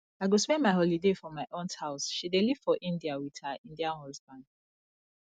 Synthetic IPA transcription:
aɪɡoswɛ̃maɪɦɔlidefɹɔ̃mːaɪʔõndhaʊsʃideliv̥fɔʔĩndiawið̥haʔĩndiãnɔsbãn

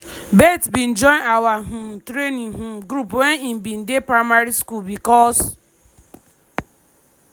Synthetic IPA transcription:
betbin̩d͡ʒɔ̃nawaɦum̩tɾeniɦumɡɾupwenim̩bin̩depɾaɪmaɾiskulbikɔs

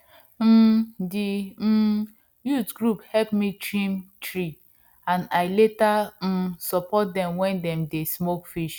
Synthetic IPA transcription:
m̩di | jutɡɹuphɛpmitɹĩmtɹi | ãnaɪletam̩sɔpɔt̚dɛ̃mwɛ̃ndɛ̃mdesmokfiʃ

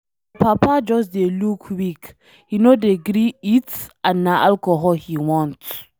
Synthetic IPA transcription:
pʰapad͡ʒɔsdelukʰwik | hinodeɡɾiitãnːaʔalkɔɦɔlhiwɔ̃nt

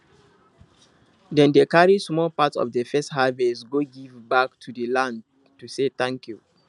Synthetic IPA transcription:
dɛ̃ndekaɹismɔlpatsɔ̰vdəfɛsthavɛtɡoɡivbaktʰudəlãnd | tuseθãŋkju

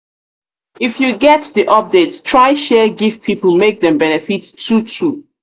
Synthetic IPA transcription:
ifjuɡɛtðiʔɔp̚detstʰɹ̥aɪ̃ʃɛɡiv̥pʰipəl̩ˠmek̚ðɛ̃mbɛnɛfitʰːutʰu

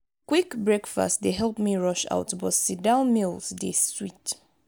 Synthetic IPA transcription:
kwikbɹɛkfa̰stdeɦɛlˠpmiɹɔʃa̰ʊtbɔtsidãʊ̃nmilˠzdeswit

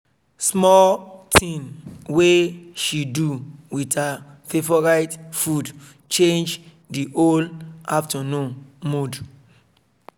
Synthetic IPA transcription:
smɔltʰĩnweʃiduwitafevɔɹaɪtfud | t͡ʃẽnd͡ʒ | diʔolaftənũnmud

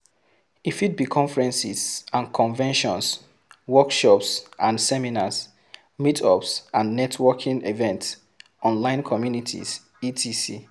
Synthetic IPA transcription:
ifit̚bikʰɔ̃ɱfɹɛ̃nsizãnkʰɔ̃nvɛ̃nʃɔ̰̃ns | wɔkʃɔpsʔãnsɛminas | mitʰɔpsʔãnːɛtʰwɔkʰĩŋivɛ̃nts | ʔɔ̃nlãɪ̃nkʰɔmjunitʰḭs | itʰisi

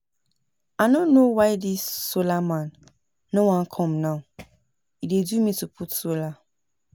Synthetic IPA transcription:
aɪnõnːowaɪdisːolamãnː | owãnkʰɔ̃mnaʊ | idedumitupʰutsola

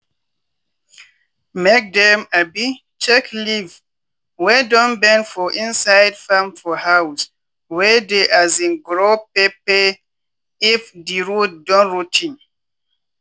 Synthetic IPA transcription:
mek̚dɛ̃mabi | t͡ʃɛkliv | wɛdɔ̃nbɛ̃nfɔʔĩnsajdfãmfɔhaws | wɛdeʔazĩnɡɹopepɛ | ifdiɹuddɔ̃nɹutʰĩn

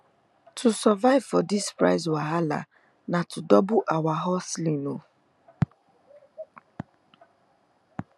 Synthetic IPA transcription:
tʰusɔvaɪvfɔdispɾa̰ɪzwaɦala̰ | natʰudɔbuʔawaɦɔslĩno

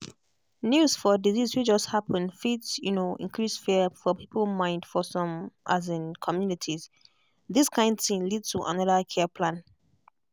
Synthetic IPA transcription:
njuzfɔdizizwid͡ʒʌsthapʰə̃nfitsjunoʔḭ̃nkʰɹisfɛfɔpʰipʰəlmãɪ̃ndfɔsɔ̃mʔazɪ̃nkʰɔmjunitʰiz | ðiskʰãɪ̃ndθtĩnlidtuʔa̰nɔðəkʰɛpʰlãn

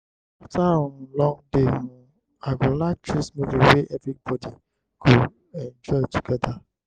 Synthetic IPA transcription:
aftaɔ̃nlɔ̃ŋdeũ | aɡolak̚tʰɹismoviwɛʔɛvɹik̚bɔdi | ku | ɛ̃nd͡ʒɔɪtuɡɛda

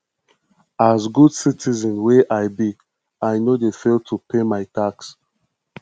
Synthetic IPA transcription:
azɡudsitizɔ̃nweʔaɪbi | aɪnodefeltʰupʰemaɪtaks

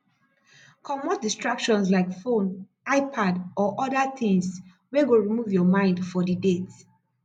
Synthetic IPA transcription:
kʰɔmɔt̚distɹakʃɔ̃nslaɪkfõn | aɪpʰadɔʔɔdat̪ĩŋs | weɡoɹimuvjɔmãɪ̃ndfɔdidet

